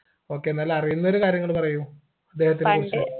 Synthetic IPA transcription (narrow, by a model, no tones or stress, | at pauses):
o̞ːkːeenːaːlɐrijunːɐo̞ɾukaːɾjɐŋːɐɭpɐrɐju | ɐd̪ːe̞ːhɐt̪ːilkurt͡ɕːɐ